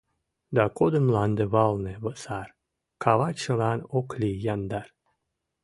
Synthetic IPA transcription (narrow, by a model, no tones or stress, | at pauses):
d̪ɑkod̪əmlɑnd̪eβɑlˠneβəsɑr | kʰɑβɑt͡ɕəlɑnoklʲijɑnd̪ɑr